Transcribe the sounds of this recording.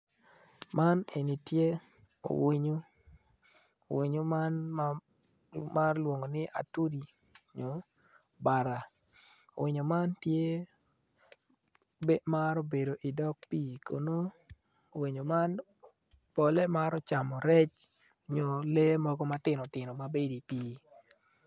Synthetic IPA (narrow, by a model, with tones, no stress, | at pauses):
ma˦ne˨ni˨tje˦ | o̰˨wi˦ɲo˦˨ | wi˨ɲo˦ma˦n | ma˦rlwo˨ŋo˨nɪ˦a̰˨tu˦di˨ | ɲo˨ | ba˨ɾa˨ | o̰˨wɪ˨ɲo˨ma˦ntje˦ | be˦ma˦ɾo˦be˨do˨ʔi˨dɔ˦k̚pi˦˨ko˨no˦ | o˨wi˨ɲo˨ma˦n | pɔ˨le˦ma˦ɾɔ˦t͡ʃa˨mɔ˨ɾɛ˦t͡ʃ | o˨ɲo˨le˦mɔ˦ɡɔ˦ma˦tɪ˨nɔ˨tɪ˨nɔ˨ma˨be˦di˨piː˦